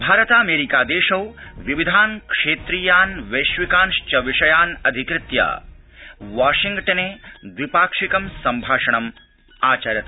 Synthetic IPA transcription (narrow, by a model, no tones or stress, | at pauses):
bʱaːɾɐt̪aːmeːɾikaːd̪eːʃɐwʋiʋid̪ʱaːnkʂeːt̪ɾiːjaːnʋeʃʋikaːnʂt͡ʃɐʋiʂɐjaːnɐd̪ʱikɾɪt̪ja̰ː | ʋaːʃĩŋɡʈɐneːd̪ʋipaːkʂikɐmsɐmbʱaːʂɐɳɐm | aːt͡ʃɐɾjɐt̪ʰɐ